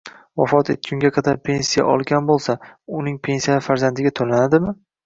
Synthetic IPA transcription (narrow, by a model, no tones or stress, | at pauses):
vɒ̰fɒt̪ʰḛt̪̚t͡ʃʲʰʊŋɡʲaqʰɑd̪aɾpʰe̞nsija̰ʔɒlˠɡʲanbolˠsaʊnɪŋpʰe̞nsijaɪfaɾzand̪ɪɡʲat̪ʰolanad̪ɪmɪ